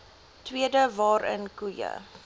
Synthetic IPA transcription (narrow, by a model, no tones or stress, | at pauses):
twiədəvɑːɾə̰nkujə̰